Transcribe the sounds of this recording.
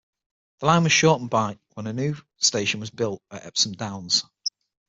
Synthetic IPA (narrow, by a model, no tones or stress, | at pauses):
ðəlãɪ̃nwɒz̥ʃɔˑtə̃n̩baɪkwə̃nənjʉː | steɪʃə̃nwɒzbɪlˠtəʔɛ̰psə̃mdãʊ̃nz̥